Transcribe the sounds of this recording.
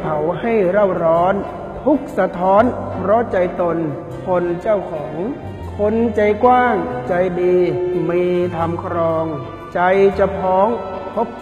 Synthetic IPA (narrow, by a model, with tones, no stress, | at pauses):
pʰa˩˦wha˥˩jɾa˥˩wɾɔː˦˥n | t̪ʰu˦˥k̚sa˧t̪ʰɔː˦˥npʰɾɔ˦˥t͡ɕa˧jt̪o˧n | pʰo˧nt͡ɕa˥˩wkʰɔː˩˦ŋ | kʰo˧nt͡ɕa˧jkwaː˥˩ŋt͡ɕa˧jdiː˧miː˧t̪ʰa˧mkʰɾɔː˧ŋ | t͡ɕa˧jt͡ɕa˧˩pʰɔː˦˥ŋpʰo˦˥p̚